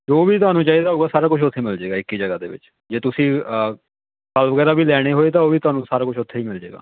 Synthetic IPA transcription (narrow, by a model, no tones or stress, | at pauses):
d͡ʒoːʋiːt̪ʊɦaːnũːt͡ʃaːid̪eaːɦoːɡaːsaːɾaːkʊt͡ʃʰʃʰʊt̪ʰːeːmɪld͡ʒeːɡaːɪkːiːd͡ʒəɡaːd̪ḛːʋɪ̰t͡ʃ | d͡ʒeːt̪ʊsĩː | kəlʋəɡɛːɾaːbʱiːlɛːɽ̃eːɦoːeːt̪̬aːoːʋiːt̪ʊɦaːnũːsaːɾaːkʊt͡ʃʰʃʰʊt̪ʰːeːiːmɪld͡ʒḛːɡa̰ː